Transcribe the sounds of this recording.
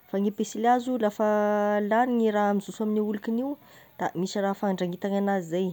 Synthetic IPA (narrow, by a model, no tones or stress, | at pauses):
faŋipesilazulafəlaɾiŋiɾaamiz̥usaminiulukiniu | d̪̥amisirafaɳɖ͡ʐaŋit̪aŋanazizej